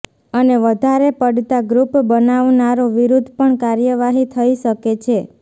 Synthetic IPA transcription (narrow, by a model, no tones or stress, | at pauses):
əneʋəd̪ʱaɾepəɖt̪aɡɾupbənaʋnaɾoʋiɾud̪ʱpəɳkaɾjəʋaɦit̪ʰəiʃəket͡ʃʰe